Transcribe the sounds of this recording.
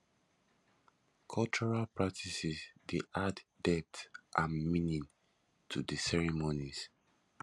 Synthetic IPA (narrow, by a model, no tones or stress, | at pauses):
kʰɔlt͡ʃɔɹalpʰɹak̚tʰisizdeʔaddɛp̚tʔãnminĩn | tʰudəsɛɹimoniz